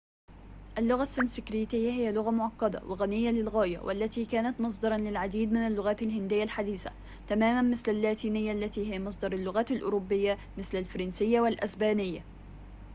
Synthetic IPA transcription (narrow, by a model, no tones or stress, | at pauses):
ʔalːʊɣasːɪnsɪkɾiːt̪ɪjːahɪjalʊɣamʊʕɑqːɑd̪a̰wʔɪɣanɪjːalɪlɣaːja̰wʔa̰lːat̪iːkaːnat̪mɑsˤd̪ɑɾˤɑnlɪlʕad̪iːd̪̚mɪnalːʊɣaːt̪alhɪnd̪ɪjːalħad̪iːθa̰ | t̪amaːmanmɪθlalːaːt̪iːnɪjːaʔlːat̪iːhɪjamɑs̬ˤd̪ˤɑɾˤalːʊɣaːt̪alʔʊ̰ɾʊbːɪjːamɪθlalfɑɾˤɑnsɪjːawalʔasbaːnɪjːa